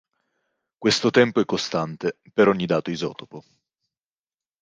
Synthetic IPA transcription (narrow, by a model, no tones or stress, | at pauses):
kwest̪ot̪ɛmpoɛkːost̪ant̪e | peɾɔɲːid̪aːt̪oizɔ̰ːt̪opo